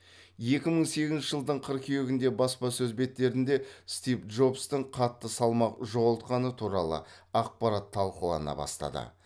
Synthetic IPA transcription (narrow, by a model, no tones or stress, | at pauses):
je̞kʲɪməɴse̞ɡʲɪznnʃɪʒəlˠd̪əɴqʰəɾkʲʰejeɡʲɪnd̪e̞bɑspɑsɵzbe̞t̪ːe̞ɾɪnd̪e̞st̪ijfdʒo̞bst̪ɪɴqʰɑt̪ːəsɑlˠmɑqʒo̞ʁlˠt̪qɑnət̪ʰuɾɑlˠə̰ | ɑq̚pɑɾɑt̪ʰːɑlˠqəlˠɑ̰nɑ̰bɑ̰st̪ɑ̰d̪ə̰